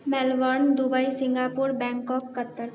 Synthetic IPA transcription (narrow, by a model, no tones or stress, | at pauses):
mɛlʋəɾnd̪ubəisɪ̃ŋɡaːpuɾbɛ̃ːŋkɔːkːət̪ːəɾ